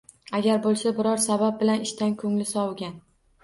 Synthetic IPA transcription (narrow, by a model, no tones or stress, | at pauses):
aɡʲaɾbolˠsabɪɾɒɾsabap̚bɪlanɪʃt̪ankʰɵŋlɪsɒwɡʲan